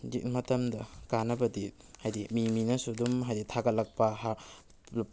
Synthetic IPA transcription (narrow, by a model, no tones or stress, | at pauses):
d͡ʒḭkmɐtɐmdɐkanɐbɐdi | hajdimiminɐsudumɦajditʰaɡɐt̚lɐk̚pɐɦa